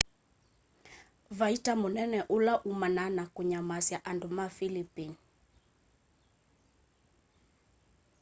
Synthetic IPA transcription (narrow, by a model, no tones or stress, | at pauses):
vaitamunɛnɛʔulaʔumananakuɲamasjaʔandumafilipini